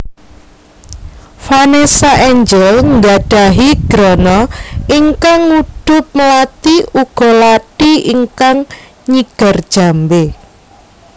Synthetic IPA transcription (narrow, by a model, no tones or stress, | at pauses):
fanesaʔɛɲd͡ʒɛlŋɡaɖ̥a̤ɦiɡ̥ɾɔnɔiŋkaŋːud̪̥ʊp̚məlat̪iuɡ̥ɔ̤laʈiiŋkaŋ | ɲiɡ̥a̤rd̥ʒ̥a̤mbe